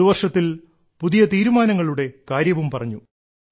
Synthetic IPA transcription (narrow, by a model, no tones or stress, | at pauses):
uʋɐrʂɐt̪ːil | puðijɐt̪iːɾumaːnɐŋːɐɭuɽe̞kaːɾjɐʋumpɐrɐɲːu